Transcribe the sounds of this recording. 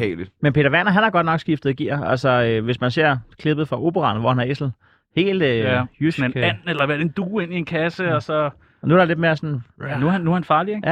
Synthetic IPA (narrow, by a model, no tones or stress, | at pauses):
ɛ̰ːli̥menpʰe̝ːd̥ɐʋænɐɦænæɐɡ̥ɒ̽d̥̚nɒ̽ɡ̥sɡ̥ifd̥ð̩ˠɡ̥ḭɐ̰ælsɒøʋe̝smænse̝ɐ̰kʰle̝b̥ð̩ˠfʁɑ̈ʔo̝ːb̥əʁɑ̈nʋɒ̰hænæɐesl̩ | he̝̰ːld̥jysnæn̰elɐʋæɐd̥end̥uːe̝n̰ie̝nkʰæsəɒsɒ̽ | ɒnuæɐɾ̥ɑled̥̚me̝ɐsɔnnnunːuɐhænfɑ̈ːlieɡjæ